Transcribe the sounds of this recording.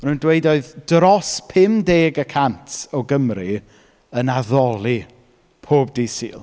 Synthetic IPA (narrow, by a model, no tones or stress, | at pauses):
mnundweɨdoɨðd̥rɔspʰɪmdeːɡəkʰantʰɔɡəmri | ənaðɔlˠi | pʰoːb̚diːsḭːlˠ